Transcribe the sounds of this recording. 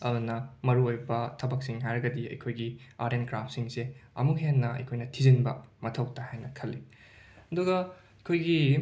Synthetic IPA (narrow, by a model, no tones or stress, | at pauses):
ɐɾunɐmɐɾuojbɐtʰɐbɐk̚siŋɦajɾɐɡɐdiɐ̰jkʰojɡiaɾenkɾapʰsiŋseɐ̰muk̚ɦenːɐɐ̰jkʰojnɐtʰizinbɐmɐtʰɐwtahajnɐkʰɐlːi | ɐduɡɐ | ɐkʰojɡi